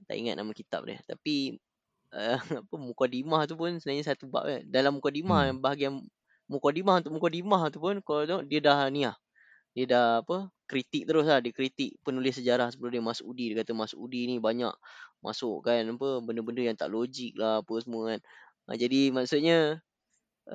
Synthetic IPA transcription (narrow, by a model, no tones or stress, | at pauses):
t̪a̰ʔḭŋa̰t̪̚namakit̪a̰p̚dɪ̰ht̪api | əapəmukadimaht̪̬up̬ʊnsənaɲəsat̪uba̰ʔedalamːukadimahbaɦaɡian | mukadimahnt̪ʊkʔmukadimaht̪upʊnkalat̪əŋoʔdiədahniah | diədahapəkɾit̪ɪk̚t̪əɾʊslahdiəkɾit̪ɪk̚pənulɪsəd͡ʒaɾahsəbəlʊhdiəmasʊʔudidiəkat̪əmasʊʔudinibaɲa̰kma̰sʊʔkanapəbəndəbəndəjaŋt̪a̰ʔlod͡ʒɪk̚lahapəsəmuəkan | ʔə̰d͡ʒadimaʔsʊt̪̚ɲə